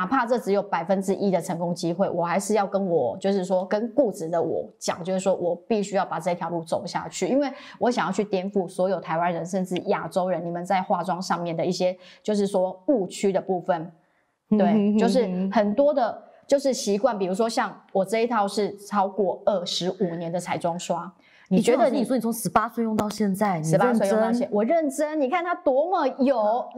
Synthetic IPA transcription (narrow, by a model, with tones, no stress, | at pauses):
a˨˩pʰa˥˧ʈ͡ʂɤ˥˩ʈ͡ʂɻ̩˧˥jo˨˩ʊpa˨˩ɪfə˦nʈ͡ʂɻ̩˧˥ʔi˦d̪ə˨ʈ͡ʂʰə˧˥ŋkʊ˥ŋt͡ɕi˥xwe˥˩ɪwɔ˨˩xa˧˥ɪʂɻ̩˥˧jɑ˥˩ʊkə˦nwɔ˨˩t͡ɕjo˥˧ʊʂ̬ɻ̩˥˩ʂwɔ˥kə˦˥nku˥˧t͡sɹ̩˨˩d̪ə˨˦wɔ̰˨˩t͡ɕjɑ˨˩ŋt͡ɕjo˥˧ʊʂɻ̩˥˩ʂwɔ˥wɔ˨˩pi˥˩ɕy˥jɑ˥˩ʊpa˨˩ʈ͡ʂɤ˥˩˧i˥t̪ʰjɑ˧˥ʊlu˥˩t͡so˨˩ʊɕja̰˥˧t͡ɕʰy˥˩i˦˥nwe˥˩ɪ | wɔ˧˥ɕ̬a˨˩ŋjɑ˥˧ʊt͡ɕʰy˥˩t̪jɛ˥nfu˥˩swɔ˧˥jo˨˩ʊt̪ʰa˧ɪwa˦nɻə˧˦nʂə˥˧nʈ͡ʂɻ̩˥˩ja˨˩ʈ͡ʂo˥ʊɻə˧˦ni˨˩mə˨nt͡sa˥˧ɪxwa˥˩ʈ͡ʂwɑ˦ŋʂɑ˥˧ŋmjɛ˥˩nd̪ə˩i˥˩ɕjɛ˦t͡ɕjo˥˧ʊʂ̬ɻ̩˥˩ʂwɔ˦˥u˥˩t͡ɕʰy˥d̪ə˨pu˥˧fə˨˩n | we˥˩t͡ɕo˥˧ʊʂ̬ɻ̩˥˩xə˨˩nt̪wɔ˥d̪ə˨ | t͡ɕjo˥˧ʊʂɻ̩˥˩ɕi˧˥kwa˥˩npi˨˩ɻu˧˥ʂ̬wɔ˥ɕjɑ˥˩ŋwɔ˨˩ʈ͡ʂɤ˥˧i˥t̪ʰɑ˥˧ʊʂɻ̩˥˩ʈ͡ʂʰɑ˥ʊkwɔ˥˧ə˥˩ʂɻ̩˧˥u˨˩njɛ˧˦nd̪ə˨t͡sʰa˨˩ɪʈ͡ʂwɑ˥ŋʂwa˥ | ni˨˩t͡ɕɥɛ˧˥d̪ə˧˦ni˨˩swɔ˥ni˨˩t͡sʰo˧˥ŋʂɻ̩˧˥pa˥swe˥˧ɪjʊ˥˧ŋt̪ɑ˥˧ʊɕjɛ˥˧nt͡sa˥˩ɪʂ̩˧˥pa˥swe˥˧jtɑ˥˩˧ɕjɛ˥˨nwɔ˨˩ɻə˥˨nʈ͡ʂə˥nni˨˩kʰa˥˩nt̪ʰa˥t̪wɔ˥mə˨jo˨˩ʊ